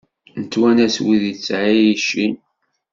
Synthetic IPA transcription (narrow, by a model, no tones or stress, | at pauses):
nt̪ːwænæswiðit͡sːʕijiʃːin